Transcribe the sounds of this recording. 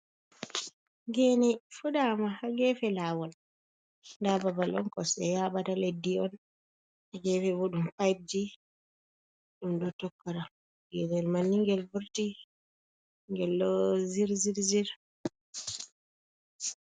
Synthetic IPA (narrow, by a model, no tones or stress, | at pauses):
ɡɛnɛfuɗamahaɡɛfɛlaːwɔl | ndababalɔnkɔsɛ̰jaɓataledːiɔn | haɡɛfɛbuɗumpajb̚d͡ʒi | ɗumdɔtɔkːaɾa | ɡɛnɛlmanːiŋɡɛlbuɾti | ŋɡɛlːɔziɾziɾziɾ